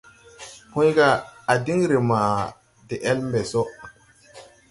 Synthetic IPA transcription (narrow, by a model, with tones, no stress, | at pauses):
hũ˦jɡaː˦˨di˦ŋɾe˨ma˨ | de˨ʔe˦lmbe˨so˦